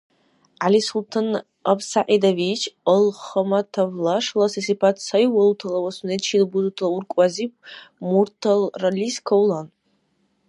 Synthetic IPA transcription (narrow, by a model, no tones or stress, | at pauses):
ʕalisultʰan | apsaʔidavit͡ʃʰəlχəmatʰavlaʂlasɐsipʰatʰsajwalutʰalawasunet͡ʃʰilbuzutʰalaurkʷʼazip̚ʰmurtʰalraliskʰowlan